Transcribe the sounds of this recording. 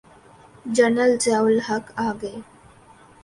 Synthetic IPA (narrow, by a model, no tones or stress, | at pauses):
d͡ʑənəlt͡salɦəkaɡe